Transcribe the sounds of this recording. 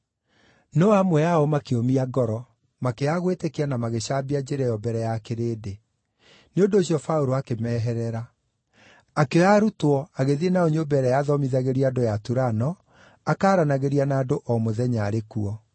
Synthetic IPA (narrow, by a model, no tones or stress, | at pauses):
nɔamwɛjaɔmakeomiaɡɔɾɔ | makeaɣwetekeanamaɣeɕaːbiad͡ʑeɾɛjɔbɛɾɛjakeɾeːde | neondoːɕiɔfaoɾoakemɛːɦɛɾɛɾa | keaɾutwɔaɣeðienaoɲobɛɾɛjaːðɔmiðaɣeɾiadojatuɾanɔ | akaːɾanaɣeɾianaːdoʔɔmoðɛɲaːɾekuɔ